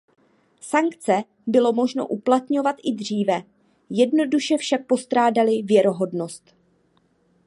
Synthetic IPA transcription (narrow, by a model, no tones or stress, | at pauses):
saŋkt͡sɛ | bɪlo̞mo̞ʒno̞̰ʔuplat̪ɲo̞vat̪ʔɪdr̝iːvɛ | jɛdno̞duʃɛfʃak̚po̞st̪ɾaːdalɪvjɛɾo̞ɦo̞dno̞st̪